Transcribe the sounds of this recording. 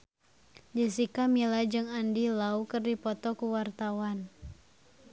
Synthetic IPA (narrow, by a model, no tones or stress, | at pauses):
d͡ʒisikamilad͡ʒɨŋandilaukɨrdipɔt̪ɔkuwart̪awan